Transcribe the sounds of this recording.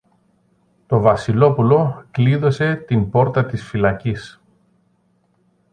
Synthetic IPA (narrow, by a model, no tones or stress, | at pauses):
t̪o̞vɐsilo̞pulo̞kliðo̞se̞t̪imbo̞ɾt̪ɐt̪isfilɐcis